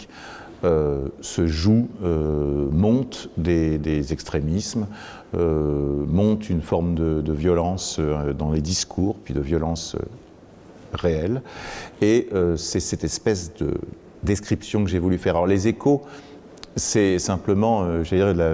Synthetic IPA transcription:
k | øsəʒuømɔ̃t̪d̪ed̪ezɛkst̪χemism | ømɔ̃t̪ynfɔʁmd̪əd̪əvjɔlɑ̃sød̪ɑ̃led̪iskʰuːʁpɥid̪əvjɔlɑ̃sø̰ | ʁeɛleøsɛsɛt̪ɛspɛsd̪ə̰ | d̪eskχipsjɔ̃kəʒevulyfɛʁalɔʁlezekʰo | sɛsɛ̃pləmɑ̃øʒed̪iʁla

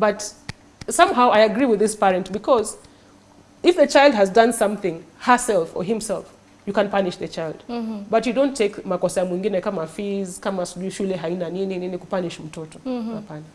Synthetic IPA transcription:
bʌt | sʌ̃mɦaʊʔaɪɨɡɹiwɨðɪspɛɹɛ̃ntbɨkʰɔz | ɪfðɨt͡ʃaɪlˠd̚hɨzdʌ̃nsʌ̃mθɪ̃ŋhə˞sɛlˠfɔ̰ɦɪ̃msɛ̰lˠf | jɨkə̃npanɪʃðɨt͡ʃaɪlˠd̥bʌtjɨdõʊ̃ntʰːeɪkmakɔsaamwĩŋɡinɛkamafizkamasuʃulɛɦainaninininikupaniʃm̩tʰɔtɔapana

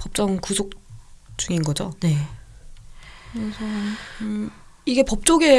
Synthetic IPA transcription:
pʌp̚t͡ɕ͈ʌŋkusʰok̚t͡ɕ͈uŋinɡʌd͡ʑo̰ne | kɯɾesʰʌ | iɡe̞pʌp̚t͡ɕ͈oɡe̞

